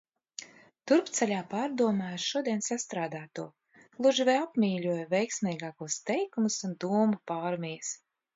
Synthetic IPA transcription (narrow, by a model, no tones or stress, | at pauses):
t̪uɾpt̪sɛlʲaːpaːɾd̪uɔmaːaɾʃuɔd̪iɛnsast̪ɾaːd̪aːt̪uɔ | lˠuʒivɛjapmʲiːlʲuɔjvɛjksmʲɛjɡaːkuɔst̪ɛjkumusund̪uɔmupaːɾmʲijs